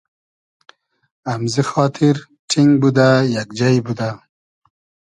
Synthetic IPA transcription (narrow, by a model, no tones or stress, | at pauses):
amzixɑːt̪ʰɪɾ | ʈʰiŋɡ̚bud̪ajakd͡ʒajbud̪a